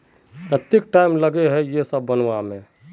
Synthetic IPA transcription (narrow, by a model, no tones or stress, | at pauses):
pɾət̪ɪk̚ʈaɪmləɡeɦɛjesəbːənʋamẽ